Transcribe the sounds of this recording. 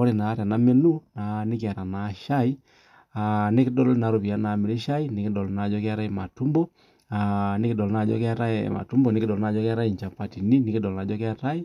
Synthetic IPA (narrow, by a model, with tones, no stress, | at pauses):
ɔ˦ɾe˨na˨˦ɾa˨na˨˦me˦nu˦na˨ne˦k̬e˦a˨ɾa˨na˨˦ʃa˦i˦ | a˨ne˦ki˦dɔ˦lna˨˦ɾo˨βi˨a˨˦na˨me˨ɾe˦ʃa˦i˦ne˨ki˦dɔ˨lna˨˦d͡ʒɔ˦ke˦a˦ɾa˦e˦ma˨tu˦mbɔ˦ | a˨ne˦ki˦dɔ˨lna˨d͡ʒɔ̰˦ka˦ɾa̰˦˨ma̰˨tu˦mbɔ˨ne˦ki˦dɔ˨lna˨˦d͡ʒɔ˦ka˦ɾa˦i˨ɲt͡ʃa˨pa˨ti˨ni˦ni˨ki˦dɔ˨lna˨d͡ʒɔ˦kja˦ɾa˦i˦